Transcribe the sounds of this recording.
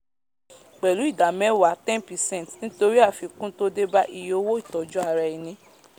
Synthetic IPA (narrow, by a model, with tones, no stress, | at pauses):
k͡pɛ˨lu˨˦i˦˨da˨mɛ˦wa˨˦tɛ̃˦npi˨sɛ̃˦˨tnĩ˦to˧ɾi˦a˦˨fi˧kũ˦to˦de˦ba˦ʔi˨jo˧˦wo˦i˦˨tɔ˨d͡ʒu˦a˨ɾɛ˧i˨nĩ˧˦